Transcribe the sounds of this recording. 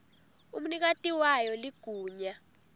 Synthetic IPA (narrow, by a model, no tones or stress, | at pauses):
um̩nik̬atʼiwajɔliɡ̥ʱuːɲa